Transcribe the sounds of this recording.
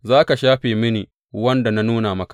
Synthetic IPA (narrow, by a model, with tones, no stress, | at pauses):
zaː˦ka˨ʃaː˦ɸeː˨mɪ˦niː˨ | wɐ˦nda˨na˦nuː˦na˨mɐ˦kḁ˨